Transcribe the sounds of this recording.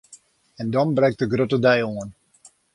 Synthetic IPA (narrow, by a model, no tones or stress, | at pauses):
ɛndɔnbrɛŋk̚təɡrøtədɛjoən